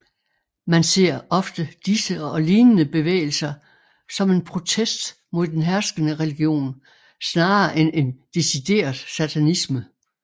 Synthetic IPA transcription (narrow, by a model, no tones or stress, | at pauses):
mænse̝̰ɐ̰ɒ̽fd̥əd̥isəɒ̽liːnənəb̥e̝ʋḛːɪl̩sɐ | sɒ̽me̝npʰʁo̝t͡sʰesd̥ | mo̝ð̰ˠd̥enɦæɐsɡ̥ənəʁɛliɡ̥jo̝̰ːn | snɑ̈ːɐʔene̝nd̥e̝sid̥e̝̰ːɐðˠsæt͡sʰænismə